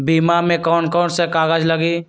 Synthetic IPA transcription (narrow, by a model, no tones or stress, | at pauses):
biːmamẽkɔːnkɔːnsekaːɡəd͡ʒləɡiː